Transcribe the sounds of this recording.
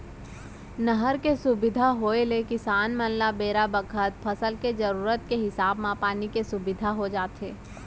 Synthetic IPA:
nəɦəɾkesʊbɪd̪ʱaɦoːelekɪsaːnmənlabeːɾabəkʰət̪pʰɐsəlked͡ʒəɾuːɾət̪̚keɦɪsaːbmãpaːnikesʊbɪd̪ʱaɦod͡ʒaːt̪eː

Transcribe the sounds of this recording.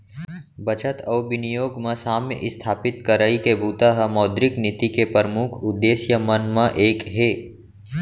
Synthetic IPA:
bɐt͡ʃət̪ɐːʋɪnijoːɡmẽsaːmjə̰ʔɪst̪ʰaːpɪt̪kɐɾaikebuːt̪aɦɐmɔːd̪ɾɪknɪt̪ikepəɾəmʊkʰʊd̪ːeːsjəmɐnmãʔeːkɦeː

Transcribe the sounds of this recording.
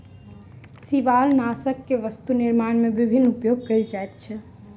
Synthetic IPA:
siʋaːlnaːsəkːeʋəst̪unɪɾmaːɳmẽbɪbʱɪnːupjoːɡ̚kəild͡ʒaet̪̚t͡ʃʰɛ

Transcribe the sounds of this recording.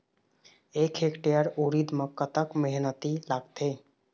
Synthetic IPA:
ekʰekʈejəɾoɾid̪məkːət̪əkmeɦnət̪ilaɡt̪e

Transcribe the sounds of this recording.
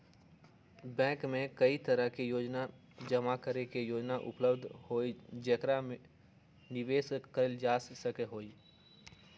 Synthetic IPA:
bɛ̃ːkmẽkəit̪əɾəɦkijoːd͡ʒna | d͡ʒəmakəɾekejoːd͡ʒnaʔʊ̰pləbd̪ʱhoːid͡ʒekɾame | nɪʋeːskəɾəld͡ʒaːssəkeɦoːi

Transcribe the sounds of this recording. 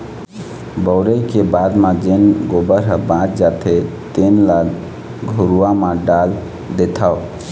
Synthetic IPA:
bəʊɾəjkebad̪mãd͡ʒenɡobəɾɦəbãt͡ʃd͡ʒat̪ʰet̪enlaɡ | ɡʱoɾuamãɖal | d̪et̪ʰao

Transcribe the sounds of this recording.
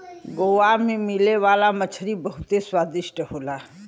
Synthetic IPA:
ɡoːʋamẽmileʋaːlamət͡ʃʰəɾibəɦʊt̪eswaːd̪ɪʃʈəɦoːlaː

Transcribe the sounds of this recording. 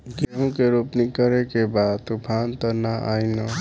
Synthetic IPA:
ɡeɦũkeɾupnikəɾekebad̪t̪upʰant̪ənaʔa̰inɔ

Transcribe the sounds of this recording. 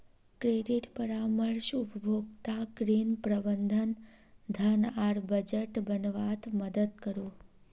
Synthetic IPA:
kɾeɖiʈpəɾaməɾʃʊpəbʱoɡt̪akɾinpɾəbənd̪ʱən | d̪ʱənaɾbəd͡ʒəʈbənʋat̪ʰməd̪əd̪̚kəɾo

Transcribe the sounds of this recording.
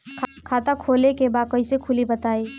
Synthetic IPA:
kʰkʰat̪akʰolekebaːkəisekʰʊlibət̪aːi

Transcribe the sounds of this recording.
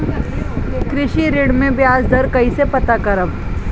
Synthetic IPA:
kɾɪʃiɾɪɽmẽbjaːsd̪ʱɐɾkɐisepɐt̪akɐɾəb

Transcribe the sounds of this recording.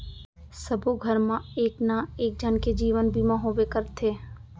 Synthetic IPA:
sɐbʱuɡʱəɾmãeːknaeːk̚d͡ʒənked͡ʒiːʋənbʱimãɦoːʋekəɾt̪ʰeː

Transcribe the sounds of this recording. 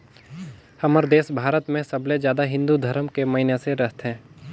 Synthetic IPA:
hɐməɾd̪eːsbʱaːɾət̪mẽsɐbled͡ʒjaːd̪aɦɪ̃nd̪ud̪ʱɐɾəmkemɐɦineseɾɐɦt̪ɦɛ̃ː

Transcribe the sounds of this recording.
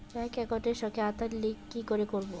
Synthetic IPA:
ɛkɛkɔʈeɾʃɔkʰeat̪aɾlikːikoɾekoɾbo

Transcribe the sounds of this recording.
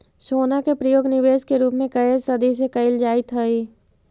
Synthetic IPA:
ʃoːnakepɾɐjoːɡnɪʋeːʃkeɾuːpmẽkɐɪlsɐd̪isekɐɪld͡ʒaːit̪ʰəiː

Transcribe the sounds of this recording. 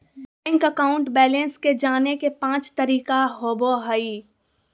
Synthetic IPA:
bɛ̃ːŋkəkaːʊ̃ɳʈbɛːlə̃nsked͡ʒaːnekepãːt͡ʃt̪əɾiːkaɦoːboɦəi

